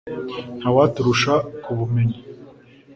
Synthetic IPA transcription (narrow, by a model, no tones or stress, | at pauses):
n̥hawatuɾuʃakuβume̞ɲi